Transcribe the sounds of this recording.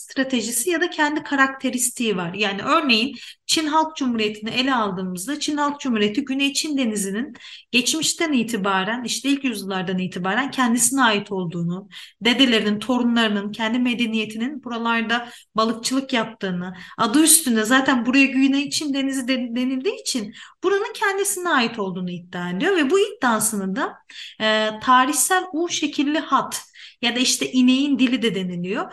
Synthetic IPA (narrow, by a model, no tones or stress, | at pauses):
st̪ɾat̪ʰe̞ʒisijad̪acʰɛnd̪ikʰaɾak̚t̪ʰe̞ɾist̪ʰiːivaɾjaːniʔø̞ɾne̞jint͡ʃʰinɦalˠk̚d͡ʒumhuɾijet̪ʰiniʔe̞lʲɛalˠd̪ɯːmɯzd̪at͡ʃʰinhalˠk̚d͡ʒumhuɾijet̪ʰiɟynejt͡ʃʰind̪e̞nizininɟ̥ɛt͡ʃmiʃt̪ʰænijt̪ʰibaːɾæniʃt̪ʰɛilʲcjyzɯlˠaɾd̪anijt̪ʰibaːɾæncʰɛnd̪isinɛaːjit̪ʰo̞lˠd̪uːnud̪e̞d̪e̞lʲe̞ɾinint̪ʰo̞ɾunlˠaɾɯnɯncʰɛnd̪ime̞d̪e̞nije̞t̪ʰininbuɾalˠaɾd̪a | balˠɯk̚t͡ʃʰɯlˠɯkjap̚t̪ʰɯːnɯad̪ɯyst̪ʰynd̪ɛzaːt̪ʰænbuɾajaɟyjynɛit͡ʃʰind̪e̞nizid̪e̞nilʲd̪iːt͡ʃʰinb̥uɾanɯncʰɛnd̪isiniaːjit̪ʰo̞lˠd̪uːnuit̪ːaːelʲijo̞vɛbuit̪̚d̪aːsɯnɯd̪a | t̪ʰaːɾiçsælʲuʃe̞cʰilʲːihat̪jad̪aiʃt̪ʰɛʔine̞jind̪ilʲid̪ɛd̪e̞nilʲijo̞